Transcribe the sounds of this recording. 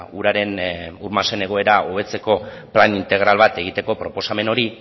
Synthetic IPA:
uɾaɾe̞nuɾmase̞ne̞ɣ̞o̞e̞ɾaʔoβ̞e̞t͡se̞ko̞ | planint̪e̞ɣ̞ɾalβat̪e̞ɣ̞it̪e̞ko̞pɾo̞po̞same̞no̞ɾi

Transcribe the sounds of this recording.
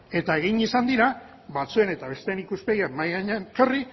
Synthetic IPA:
e̞t̪ae̞ɣ̞iɲisand̪iɾa | βat͡sue̞ne̞t̪aβe̞st̪eːnikuspe̞ɣiamajɣaɲnkeri

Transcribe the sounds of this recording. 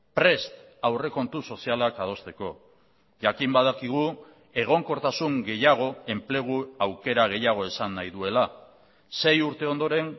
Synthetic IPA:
pɾe̞st̪ | awre̞ko̞nt̪uso̞sialakað̞o̞st̪e̞ko̞ | ʝakimbaðakiɣ̞u | e̞ɣ̞o̞ŋko̞ɾt̪asuŋɡe̞jaɣ̞o̞e̞mple̞ɣ̞uawke̞ɾaɣ̞e̞jaɣ̞o̞e̞sanːajðue̞la | se̞juɾt̪e̞o̞nd̪o̞ɾe̞n

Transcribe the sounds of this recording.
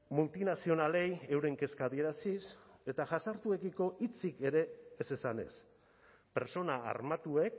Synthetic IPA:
mult̪inasio̞nale̞je̞wɾe̞ŋke̞skaðie̞ɾasise̞t̪aʝasaɾt̪ue̞ɣiko̞ʔit͡sike̞ɾe̞ːse̞sane̞̰s | pe̞̰ɾt͡so̞naa̰ɾmat̪ue̞k

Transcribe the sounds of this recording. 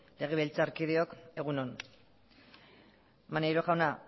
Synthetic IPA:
le̞ɣ̞eβelt͡saɾkið̞eo̞ke̞ɣ̞unon | manejɾo̞xawna

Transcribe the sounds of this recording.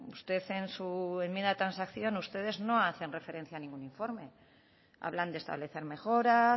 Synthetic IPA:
ust̪e̞θe̞nsue̞mjend̪aet̪ɾansakθjo̞nust̪e̞ð̞e̞zno̞aθe̞nre̞fe̞ɾe̞n̟θjanĩŋɡuniɱfo̞ɾme̞ | a̰βland̪est̪a̰βle̞θe̞ɾme̞xo̞ɾa

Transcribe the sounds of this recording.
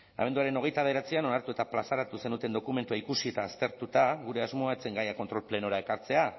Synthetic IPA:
a̰βe̞nd̪uaɾe̞no̞ɣ̞e̞jt̪aðeɾat͡siano̞naɾt̪ue̞t̪aplasaɾat̪use̞nut̪e̞nd̪o̞kume̞nt̪uaikusie̞t̪aːst̪e̞ɾt̪ut̪aɣuɾe̞azmo̞aet͡se̞ŋɡajako̞nt̪ɾo̞lple̞no̞ɾae̞kaɾt͡se̞a

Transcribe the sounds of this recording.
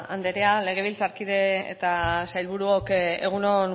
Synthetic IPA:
and̪eɾeale̞ɣ̞e̞β̞ilt͡saɾkiðe̞̰ːt̪asajlβuɾuokḛɣ̞unon

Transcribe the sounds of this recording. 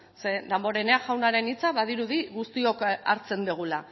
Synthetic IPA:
sed̪embo̞ɾe̞neaʝawnaɾe̞nit͡saβaðiɾuðiɣust̪io̞ka̰ɾt͡se̞nd̪iɣ̞ula

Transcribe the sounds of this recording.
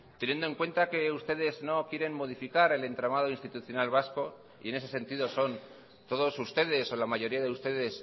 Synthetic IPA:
t̪e̞nje̞nd̪oe̞ŋkwe̞nt̪ake̞ust̪e̞ðe̞zno̞kjeɾe̞nmo̞ð̞ifikaɾe̞le̞nt̪ɾamaðo̞inst̪it̪uθjo̞nalβasko̞ | ḭe̞ne̞s̬e̞se̞nt̪iðo̞so̞n | t̪o̞ðo̞sust̪e̞ðe̞so̞lamaʝo̞ɾiaðe̞ust̪e̞ðe̞s

